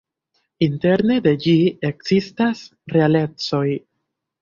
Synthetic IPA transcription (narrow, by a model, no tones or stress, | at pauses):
inte̞ɾne̞d̪e̞d͡ʒie̞kzistas | ɾe̞ale̞t͡so̞j